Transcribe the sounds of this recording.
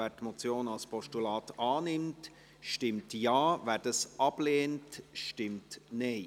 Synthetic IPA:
æːɾtmɔt͡sjoːnɑlspɔʃtulɑːtɑːnɪmt | ʃtɪmtjɑːvæːɾd̥ɑsʔɑb̥leːntʃtɪmtneɪ

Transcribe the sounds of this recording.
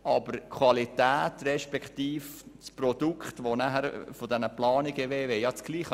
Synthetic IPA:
ʔɑbəɾkʰwɑlitæːtrɛʃpɛkχt̪iːfsprɔd̥ukχtʋonæhæɾfodɛnəplɑːniɡəʋeːveːjɑt͡sɡ̥liːχ

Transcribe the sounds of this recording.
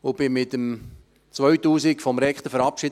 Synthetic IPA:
ʊb̥ɪmɪtəm | t͡sʋœɥtuːsɪkfɔmɾɛkt̪əfəɾɑpʃi

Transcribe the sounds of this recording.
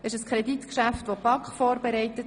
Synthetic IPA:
ɪʃəskʰɾɛditkʃæftʋopɑkχfɔːɾbɛɾɛɪtət

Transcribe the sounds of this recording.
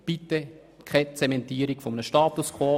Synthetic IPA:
b̥it̪ːɛ | kʰɛt͡sɛmɛnt̪iːəɾikfɔmənəʃtɑːt̪uskʰvoː

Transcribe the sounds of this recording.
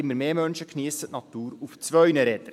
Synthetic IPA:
ɪmːəɾmeːmœnʃəkʰniəsətnɑt̪uːɾuft͡sʋœɥnəɾɛt̪əɾ

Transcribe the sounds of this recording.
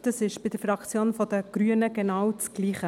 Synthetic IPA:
d̥ɑsɪʃb̥ɪd̥əɾfɾɑkt͡sjoːnfɔdəɡ̥ɾyənəɡɛnɑːwt͡sɡ̥liːχə

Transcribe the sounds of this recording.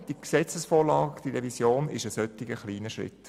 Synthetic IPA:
d̥iksɛt͡səsfoːlɑːɡd̥iɾɛvisjoːnɪ̰ʃəsœtːɪɡəχliːnəʃʁɪ̰t

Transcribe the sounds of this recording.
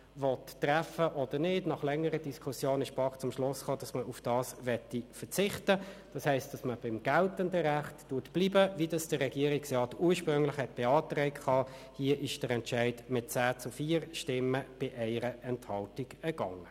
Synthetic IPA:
ʋɔtːræfəʔɔd̥ənɪːdnɑχlɛŋːəɾədiskʰusjoːnɪʃbɑχt͡sʊmʃlʊsχoːd̥ɑsməʔufd̥ɑːsʋɛtifət͡sɪχtəd̥ɑshɛɪst̚d̥ɑsməb̥ɪmɡ̥æltəndəɾæχtːuːtb̥liːbəvidɑsd̥əʁɛɡ̥iːəɾɪksʁɑːtuːɾʃpʁʏŋlɪχhɛt̚b̥eɑːtʁɛɪkχɑːhiəʔɪʃd̥əɾɛntʃæɪd̥mɪt̚t͡sæːt͡sʊfiːəɾʃtɪmːəb̥ɪʔɛɪɾəʔɛnthɑltiɡɛɡ̥ɑŋə

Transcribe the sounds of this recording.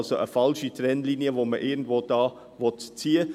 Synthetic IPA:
soʔəfɑlʃitɾɛnliːniəvoːməʔɪːɡn̩dvoːd̥ɑː | vɔtt͡siːə

